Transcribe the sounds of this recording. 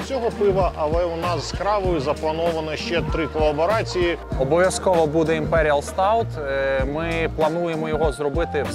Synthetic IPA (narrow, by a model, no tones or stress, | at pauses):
t͡sʲɔɦɔpɪʋɐʔɐlˠɛɔnɑsːkɾɑʋɔjʊzɐplˠɐnɔʋɐnɐʃt͡ʃɛt̪ɾɪkɔlˠːɐbɔɾɑt͡sʲijiɔbɔʋʲjɐskɔʋɐbud̪ɛimpɛɾʲiɐlˠst̪ɑwt̪mɪplˠɐnujemɔjɔɦɔzrɔbɪt̪ɪ